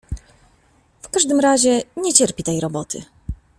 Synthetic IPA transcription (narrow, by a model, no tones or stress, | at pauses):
fkaʐd̪ɘmɾaʑɛɲɛt͡ɕɛɾpʲit̪ɛjɾɔbɔt̪ʰɘ̰